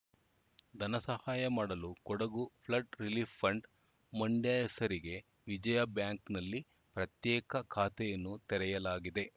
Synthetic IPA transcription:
d̪ʱɐnɐsɐhaːjɐmaːɽɐlukɔɽɐɡupʰlɐʈɾiliːfːɐɳɖ | mɐɳɖjaːjɛsɐɾiɡe̞ | ʋid͡ʒɐjɐbjaːŋknɐlːi | pɾɐt̪jɛːkɐkʰaːt̪ɛjɐnːut̪ɛɾɛjɐlaːɡid̪e̞

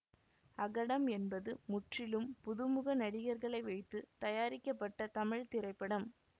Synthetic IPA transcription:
ɐɣɐɽɐmɛnbɐðɯmʊʈrɪlɯmpʊðɯmɯɣɐnɐɽɪɣɐɾɣɐɭɐɪʋɐɪt̪ːɯt̪ɐjaːɾɪkːɐpːɐʈːɐt̪ɐmɪɻt̪ɪrɐɪpːɐɽɐm

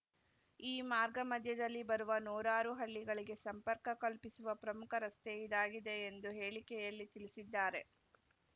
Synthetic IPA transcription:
iːmaːɾɡɐmɐd̪ʱjɐd̪ɐlːibɐɾuʋɐnuːɾaːɾuɦɐɭːiɡɐɭiɡe̞sɐmpɐɾkɐkɐlpisuʋɐpɾɐmukʰɐɾɐst̪ɛjid̪aːɡid̪e̞ːnd̪uɦe̞ːɭikɛjɐlːit̪iɭisid̪ːaːɾe̞

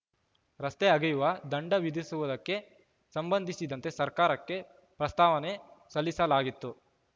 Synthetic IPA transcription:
ɾɐst̪eɐɡɐjuʋɐd̪ɐɳɖɐʋid̪ʱisuʋud̪ɐkːe̞ | sɐmbɐnd̪ʱisid̪ɐnt̪e̞sɐɾkaːɾɐkːe̞ | pɾɐst̪aːʋɐnesɐlːisɐlaːɡit̪ːu

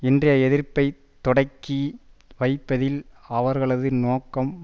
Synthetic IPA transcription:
ɪndrɐjɐɛðɪrpːɐɪ | t̪ːɔɽɐkːi | ʋɐɪpːɐðɪlɐʋɐɾɣɐɭɐðɯnoːkːɐm

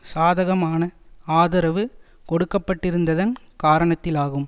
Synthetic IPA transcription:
saːðɐɣɐmaːnɐaːðɐɾɐʋɯ | kɔɽɯkːɐpːɐʈːɪɾɯnd̪ɐðɐn | kaːɾɐɳɐt̪ːɪlaːɣɯm

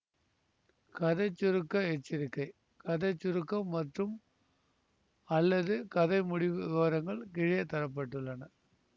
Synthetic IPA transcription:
kɐðɐɪt͡ʃːʊɾɯkːɐɛt͡ʃːɪɾɪkːɐɪ | kɐðɐɪt͡ʃːʊɾɯkːɐmːɐʈrɯm | ɐlːɐðɯkɐðɐɪmʊɽɪʋɯɐʋɐɾɐŋɡɐɭkɪɻɪjɐt̪ɐɾɐp̬ːɐʈːɯɭːɐnɐ

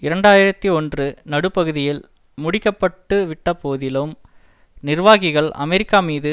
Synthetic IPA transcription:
ɪɾɐɳɖaːjɪɾɐt̪ːiɔndrɯnɐɽɯpːɐɣɯðɪjɪl | mʊɽɪkːɐpːɐʈːɯʋɪʈːɐpoːðɪlɯm | nɪrʋaːɣɪɣɐɭʔɐ̰mɛɾɪkːaːmiːðɯ

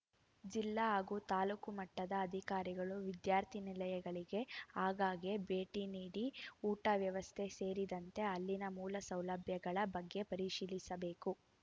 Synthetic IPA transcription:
d͡ʒilːɐɦaːɡuːt̪aːlukumɐʈːɐd̪ɐːd̪ʱikaːɾiɡɐɭuʋid̪jaːɾt̪ʰinilɐjɐɡɐɭiɡe̞aːɡaːɡebe̞ːʈiniːɽiuːʈɐʋjɐʋɐst̪ʰe̞se̞ːɾid̪ɐnt̪e̞ɐlːinɐmuːlɐsɐwlɐbʱjɐɡɐɭɐbɐɡːe̞pɐɾiʃiːlisɐbe̞ːku

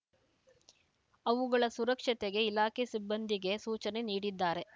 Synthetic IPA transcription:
ɐʋuɡɐɭɐsuɾɐkʂɐt̪eɡe̞ilaːkʰesibːɐnd̪ʱiɡe̞suːt͡ʃɐne̞niːɽid̪ːaːɾe̞

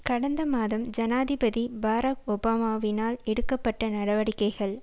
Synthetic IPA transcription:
kɐɽɐnd̪ɐmaːðɐmd͡ʒɐnaːðɪbɐðibaːɾɐkɔbaːmaːʋɪnaːlɛɽɯkːɐpːɐʈːɐnɐɽɐʋɐɽɪkːɐɪɣɐɭ

